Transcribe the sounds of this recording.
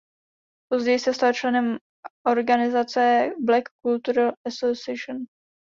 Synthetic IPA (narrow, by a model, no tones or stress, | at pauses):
po̞zɟɛjɪsɛst̪alt͡ʃlɛnɛm | ʔo̞ɾɡanɪzat͡sɛblɛkːult̪uɾalʔasosɪɛʃon